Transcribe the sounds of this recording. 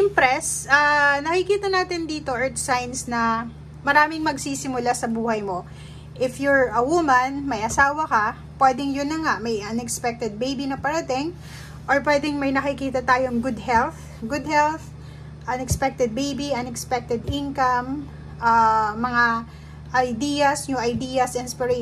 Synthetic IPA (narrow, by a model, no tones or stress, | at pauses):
ɪmpɾɛsʔanɐkɪkiːt̪ɐnaːt̪ɪnd̪iːt̪o̞ʔɛɹt̪sajnsnɐ | mɐɾaːmɪŋmɐɡsiːsɪmʊlasɐbuːhɐjmo̞ | ʔɪfjʊɹɐwumɐnmɐjʔɐsaːwɐkɐ | pwɛd̪ɛŋjʊnːɐŋaʔmɐjʔɐnɛkspɛk̚t̪ɛd̪̚bejbinɐpɐɾɐt̪ɪŋ | ʔoɹpwɛd̪ɛŋmɐjnɐkɪkiːt̪ɐt̪aːjoŋɡʊd̪hɛlθ | ɡʊd̪hɛlθ | ʔɐnɛkspɛk̚t̪ɛd̪̚bejbiʔɐnɛkspɛk̚t̪ɛd̪ɪnkɐm | ʔaːɐŋa | ʔɐjd̪iːjɐsɲʊʔɐjd̪ijɐsʔɪnspɪɾɛ